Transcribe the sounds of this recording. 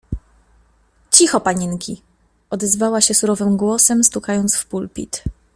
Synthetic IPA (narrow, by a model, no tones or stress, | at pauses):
t͡ɕixɔpaɲinkʲi | ɔd̪ɛzvawaɕɛsuɾɔvɘmɡwɔsɛmst̪ukajɔnt̪sfpulpʲḭt̪